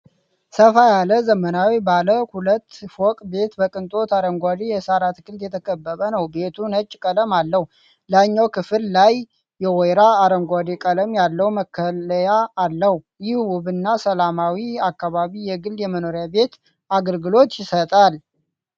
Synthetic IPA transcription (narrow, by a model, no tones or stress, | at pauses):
səfajaləzəmənawibaləhulət̪ːfokʼbe̞t̪bəkʼɨnt̪ʼo̞t̪aɾəŋɡʷad̪ijɛsaɾat̪ɡɨld̪jɛt̪ʰəkʰʼəbːəβənəwbe̞t̪ʰunət͡ʃʼːkʼələmalːəh | laɲːawkʰɨfɨllajː | ɛwɔjɾaːɾəŋɡʷad̪ikʼələmjalːəwməkʰːəəjaːlːəh | jɪhwʊβɨnːasəlamawiakːaβaβijɛɡɨljɛməno̞ɾjabe̞t̪ | ʔaɡəlɡɨlo̞t̪jɪsət̪ʼal